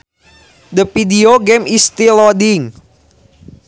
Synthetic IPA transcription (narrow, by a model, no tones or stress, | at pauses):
d̪əfidioɡemist̪ilɔdiŋ